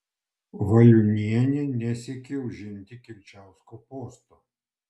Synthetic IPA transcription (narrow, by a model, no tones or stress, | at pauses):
ʋɐlʲʊnʲiɛnʲɛnʲɛsʲɛkʲɪʊʒʲɪnʲt̪ʲɪkʲɪwʲt͡ʃʲæˑʊskɔpoːst̪ɔ